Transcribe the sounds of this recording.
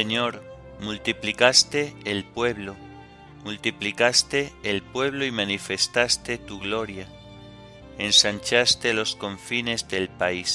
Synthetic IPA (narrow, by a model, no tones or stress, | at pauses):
eɲo̞ɾ | mult̪iplikast̪e̞ːlpweβlo̞ | mult̪iplikast̪e̞ːlpwe̞β̞lo̞imanife̞st̪ast̪e̞t̪uɣlo̞ɾja | ensant͡ʃast̪e̞lo̞sko̞ɱfine̞zðe̞lpais